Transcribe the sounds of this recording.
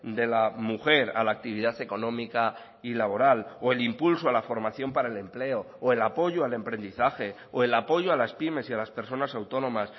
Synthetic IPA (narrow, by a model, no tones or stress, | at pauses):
d̪e̞lamuxe̞ɾa̰laːk̚t̪iβ̞iðaθeko̞nõ̞mika | ilaβ̞o̞ɾaloe̞limpulsoalafo̞ɾmaθjo̞mpaɾaele̞mple̞o̞ːe̞lapo̞ʝoale̞mpɾe̞nd̪iθaxe̞ | oe̞lapo̞ʝoalaspime̞sialaspe̞ɾso̞nasawt̪o̞nõ̞mas